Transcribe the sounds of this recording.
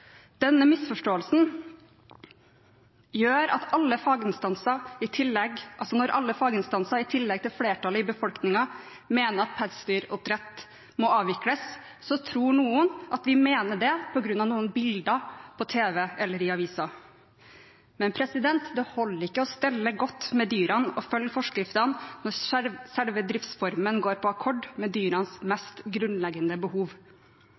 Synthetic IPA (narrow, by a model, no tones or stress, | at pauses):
d̪̥ɛnːəmɪsfɔʂʈoːəlsn | jøːɾɑt̪ɑlːəfɑːɡɪnst̪ɑnsɑɪt̪ʰɪlɛɡʔɑlsɔnɔɾʔɑ̰lːəfɑːɡɪnst̪ɑnsɑɪt̪ʰɪlːɛɡ̚t̪ɪlfleːʈɑlɪbəfɔlknɪŋɑ | meːnəɾɑt̪̚pʰæɾst̪yːɾʊpɾɛt̪ | mɔɑːʋɪkləs | sɔt̪ʰɾuːɳuːənʔɑt̪ʋɪmeːnəɖɛpʰɔɡɾʉnːɑʋnuːənbɪld̪əpʰɔt̪ʰeːʋɛɛlːəɾɪɑʋiːsɑ | mɛnpʰɾɛsɪd̪ɛnt̪d̪ɛhɔlːəɾɪkːəɔst̪ɛlːəɡɔt̪ːmɛd̪yːɾɑnɔfœljfɔʂkɾɪft̪ɑnnɔɾsɛlʋəd̪ɾɪft̪sfɔɾmənɡoːɾpʰɔɑkʰɔɖmɛd̪yːɾɑnsmɛst̪ɡɾʉnlɛɡənəbəhuːʋ